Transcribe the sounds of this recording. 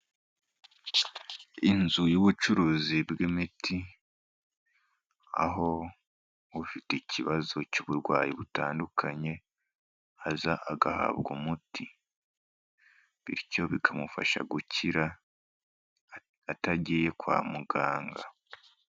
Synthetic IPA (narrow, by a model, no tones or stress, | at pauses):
inzujoβut͡ʃuɾuzibɡemitʰi | a̰ɦo̞ | βufiteciβazo̞cuβuɾɡwaːjiβutaːndukʰaɲe̞ | azaʔaɡaha̰βɡumutʰi | βḭɾco̞βikʰamufa̰ʃa̰ɡucʰiɾa | taɟije̞kwa̰ːmuɡaːŋɡa